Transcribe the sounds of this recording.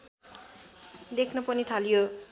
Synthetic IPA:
lekʰnʌpʌnit̪ʰalijo

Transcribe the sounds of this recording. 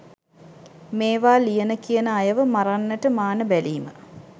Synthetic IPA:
meːʋaːlijənəkijənəajəʋəmaɾanːəʈəmaːnəbæliːmə̰

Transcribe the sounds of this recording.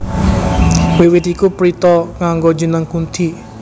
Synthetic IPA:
wiwɪt̪ikupɾit̪ɔkaŋɡod͡ʒənəŋkunt̪ʰi

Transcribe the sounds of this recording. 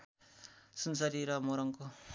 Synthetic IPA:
sunsʌɾiɾʌmoɾʌŋko

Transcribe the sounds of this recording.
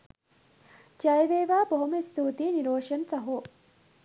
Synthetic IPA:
d͡ʒɐjʋeːʋaːboɦumest̪ʰuːt̪iːniɾoːʃɐnsɐɦu

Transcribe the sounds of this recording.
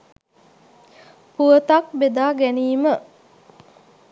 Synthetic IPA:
puət̪ak̚bed̪aːɡæniːmə

